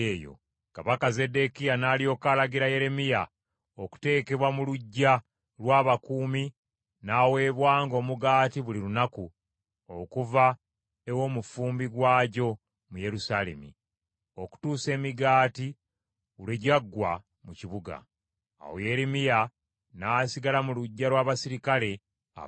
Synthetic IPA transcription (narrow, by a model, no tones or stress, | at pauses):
eːjo̰ | kaβakaze̞de̞kijanaːlijo̞ːkaːlaɡiɾaje̞ɾe̞mija | oku̥te̞ːke̞βwamuluɟːa | lwaːβakuːmi | naːwe̞ːβwaːŋɡo̞ːmuɡaːtiβulilunaku | okuva | ewo̞ːmufuːmbiɡwaːɟo̞ | mujeɾusaːle̞̰mḭ | o̞ku̥tuːse̞ːmiɡaːti | uleɟaɡːwa | muciβuɡa̰ː | wo̰je̞ɾemija | naːsiɡalamuluɟːalwaːβasiɾikale̞ | a̰